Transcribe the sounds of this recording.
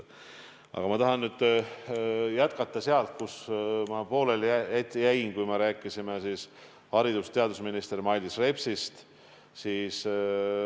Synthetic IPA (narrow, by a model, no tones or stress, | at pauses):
ʔɑ̰ɡ̥ɑmɑt̪ɑɦɑnːyːd̪̥ | jæt̪kɑt̪ˑːɑseɑlt̪̚kusmɑpo̞ːlelet̪ʲːijæjnkujmɑɾæːkːˑisimesiːs | hɑɾid̪̥ust̪eɑd̪usminist̪ermɑjlʲisre̞psist̪ | siːs